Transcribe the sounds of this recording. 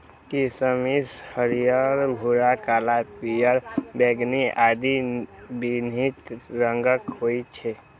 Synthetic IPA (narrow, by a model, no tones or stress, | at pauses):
kisəmishəɾijəɾbʱuɾakalapijəɾbeɡniad̪ibinit̪ɾəŋɡəkɦoit͡ʃʰe